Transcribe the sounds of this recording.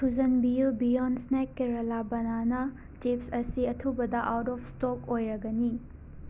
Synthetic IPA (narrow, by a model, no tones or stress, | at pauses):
tʰuzɐnbiubijɔndsnekːeɾɐlabɐnanɐ | t͡ʃipsɐsiɐtʰubɐd̪ɐʔawtɔpʰstokojɾɐɡɐni